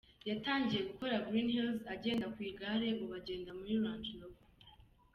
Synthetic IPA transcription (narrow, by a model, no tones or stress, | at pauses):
jataːɲɟije̞ɡuko̞ɾaɡɾiːnhilzaɟe̞ːndakwiːɡaːɾe̞ŋɡo̞βaɟe̞ːndamuɾiɾwaːnd͡ʒiloɡ